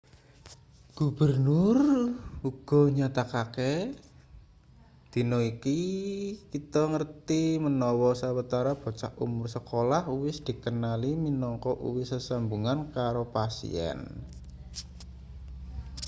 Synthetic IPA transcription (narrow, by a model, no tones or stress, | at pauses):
ɡ̥ubərnʊruɡ̥ɔ̤ɲat̪akake | d̪̥i̤nɔikikit̪ɔŋərt̪imənɔwɔsawət̪aɾab̥ɔ̤t͡ʃa̰ʔʔṵmʊrsəkolahuwɪsd̪̥i̤kənaliminɔŋkɔʔṵwɪhsəsambuŋankaɾopasḭɛ̰n